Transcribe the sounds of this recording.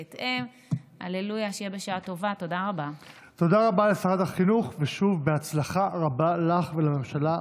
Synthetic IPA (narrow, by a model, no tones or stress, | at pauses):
t̪em | a̰lelujaʃjebeʃaat̪o̞vat̪o̞d̪aʁaba | t̪o̞d̪aʁabalefaʁad̪aχinuχveʃuvbeat͡slaχaʁabalaχvelame̞mʃala